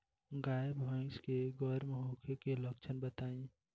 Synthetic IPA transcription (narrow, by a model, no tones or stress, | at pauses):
ɡaːjebʱãɪ̃skeɡɔːɾmẽɦoːkʰekeləkt͡ʃʰənbət̪aːĩ